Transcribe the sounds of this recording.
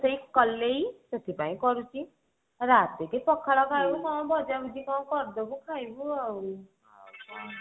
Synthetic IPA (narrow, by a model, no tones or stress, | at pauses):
seikɔlːejtʌt̪ʰipaĩkɔɾut͡ʃʰi | ɾat̪ekepɔkʰːaɭɔkʰajbumɔ̃bɔd͡ʒabud͡ʒikaw̃kɔɾd̪ɔkukʰajbuawu